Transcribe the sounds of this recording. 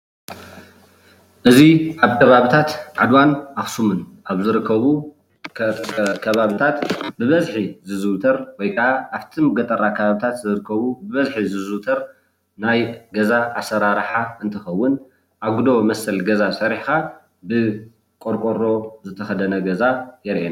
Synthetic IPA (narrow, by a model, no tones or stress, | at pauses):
ʔɨziʔaβkʰɐβaβit̪ʰat̪ʕad̪wanʔaxsumɨnʔaβzɨɾɨkʰːɐβu | kʰɐβaβit̪ʰat̪bɨβɐzħizɨzɨwt̪ʰɐɾwɔjkʰɐʔaʔaβt̪ʰimɨɡɐt̪ʼɐɾakʰɐβaβit̪ʰat̪zɨɾɨkʰːɐβubɨβɐzħizɨzɨwt̪ʰɐɾ | najɡɐzaʔasɐɾaɾħaɨnt̪ʰɨxɐwːʊn | ʔaβɡud̪oβmɐsɐlɡɐzasʼɐɾiħka | bɨ | kʼoɾkʼoɾːo̞zɨt̪ʰɐxɐd̪ɐnɐɡɐzajɛɾʔena